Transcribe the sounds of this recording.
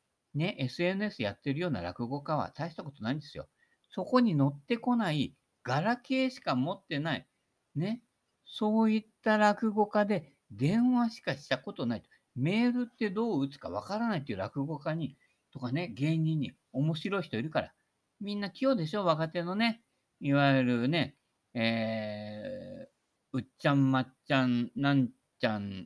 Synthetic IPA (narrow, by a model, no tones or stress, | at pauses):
ne̞ʔe̞sɨe̞nɯe̞sɨja̰t̪ːeɾɯ̟jo̞ːna̰ɾa̰kɯ̟ɡo̞kaβ̞a̰t̪aiɕi̥t̪ako̞t̪o̞naind̪e̞sɨjo̞̰ | so̞ko̞ɲ̟ino̞t̪ːe̞ko̞nai | ɡ̥aɾake̞ːɕi̥kamo̞t̪ːe̞naḭ | ne̞ | so̞ːit̪ːaɾakɯ̟ɡo̞kad̪e̞ | d̪ẽ̞ɰ̃βaɕi̥kaɕi̥t̪ako̞t̪o̞nait̪o̥ | me̞ːɾɯ̟t̪ːe̞d̪o̞ːɯt͡sɨ̥ka̰β̞a̰kaɾanait̪oiɯ̟ɾakɯ̟ɡo̞kaɲ̟i | t̪o̞kane̞ɡẽ̞ɲiɲ̟ːi | o̞mo̞ɕiɾo̞içi̥t̪o̞iɾɯ̟kaɾa̰ | mʲĩnːakʲio̞ːd̪e̞ɕo̞ːβakat̪e̞no̞ne̞ | iβaiɾɯ̟ne̞ | eː | ɯ̟t͡ɕãmːat͡ɕãnnãɲ | t͡ɕãn